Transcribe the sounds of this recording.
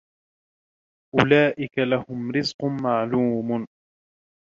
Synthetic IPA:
ʔʊlaːʔɪkalahʊmɾɪzqʊmaʕluːmʊ

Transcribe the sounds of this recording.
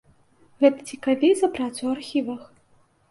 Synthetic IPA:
ɣɛt̪ɐ̥t͡sʲikavʲizɐpɾat̪suwarxʲivɐx

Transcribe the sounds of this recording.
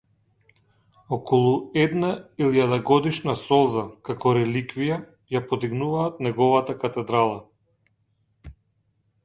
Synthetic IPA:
ɔkɔlˠuɛd̪nailjad̪aɡɔd̪iʃnasɔlˠzakakɔɾɛlikvija | japɔd̪iɡnuvaːt̪nɛɡɔvat̪akat̪ɛd̪ɾalˠa

